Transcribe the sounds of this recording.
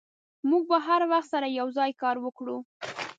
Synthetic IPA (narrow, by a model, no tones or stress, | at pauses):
muɡ̚baɦaɾwaxt̪saɾajawzɑjkɑɾwəkɽu